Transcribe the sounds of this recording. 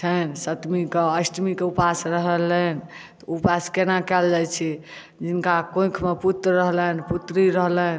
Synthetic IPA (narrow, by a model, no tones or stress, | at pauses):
t͡ʃʰənsət̪mikeəsʈmikeupasɾəɦələnt̪ɔupaskenakɛld͡ʒat͡ʃʰi | d͡ʒinkakõkʰmeput̪ɾːəɦlənput̪ɾiɾəɦlən